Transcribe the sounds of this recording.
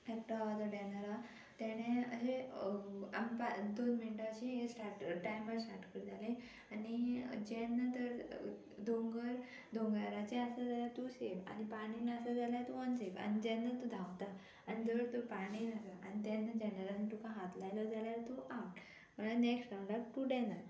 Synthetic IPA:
ek̚ʈaad̪əɖɛnəɾa | t̪ɛɽ̃ẽəɦe | a̰mipad̪onminʈɕĩsʈaʈʈajməɾsʈaʈkəɾd͡zalẽ | anid͡ʑɛnːat̪əɾ | d̪ʱoŋɡəɾ | d̪ʱõŋɡaɾat͡ɕeəsad͡zalaɾt̪useʋa̰nipaɽ̃inãəsəd͡zaljaɾt̪uənseʋa̰ñid͡ʑɛ̃nːat̪ud̪ʱawt̪a | añid͡zəɾt̪opaɽ̃inasaa̰nit̪ɛ̃nːad͡ʑɛnəɾanit̪ukãɦat̪lajlɔd͡zaljaɾt̪uʔawʈ | m̤ənlaneksʈɾãw̃ɳɖak̚ʈuɖɛnəɾ

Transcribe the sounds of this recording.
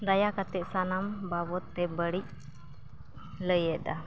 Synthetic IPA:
ɾajakat̪ɛʔ̚sanambabɔt̪ːɛbəɽic̚ | ləjɛd̪a̰

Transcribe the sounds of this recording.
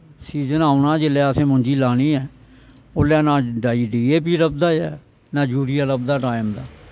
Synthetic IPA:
siːzənaːʊnãːd͡ʒelɛːəsẽːmʊ̃nʲd͡ʒiːlaːñiːɛː | olɛːnãːɖaːiːɖiːeːp̬iːɾəb̚d̪aːjɛː | nãːd͡ʒuːɾijaːɾəb̚d̪aːʈaːɪmd̪aː

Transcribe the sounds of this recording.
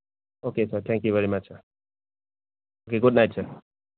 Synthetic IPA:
okesəɾt̪ʰɛ̃ŋkjuʋɛɾimɐt͡ʃ | oːkeɡʊɖnaɪʈsəɾ

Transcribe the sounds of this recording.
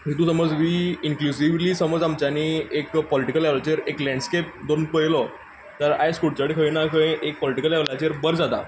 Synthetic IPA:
it̪uːsəməd͡zʋiːiŋklusiʋliːsəməd͡zamt͡ɕaniekpɔliʈikəlɛʋlat͡ɕeɾeklɛ̃ɳɖskep̚d̪onpəilɔ | t̪əɾajskuɽt͡ɕaɽikʰəʋinakʰə̃ĩek̚pɔliʈikəlɛʋlat͡ɕeɾbəɾd͡zat̪a̰

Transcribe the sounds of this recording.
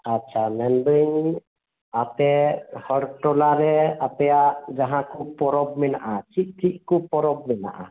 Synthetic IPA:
atːʃʰamɛnbəɲ | ap̪ɛhɔɽʈɔlaɾɛap̪ɛad͡ʒaɦãkupɔɾɔbmɛnaʔat͡ʃit̪̚t͡ʃʰiʔ̪̚kupɔɾɔb̚mɛna̰ʔa̰

